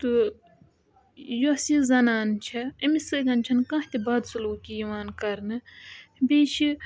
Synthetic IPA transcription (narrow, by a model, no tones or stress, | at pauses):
t̪ɨ | joɐsizɐnaːnt͡ʃʰɐɐmisɨɡɐnt͡ʃʰɐnkãːht̪ibaːd̪suluːkijiʋaːnkɐɾnɨbeːt͡ʃʰi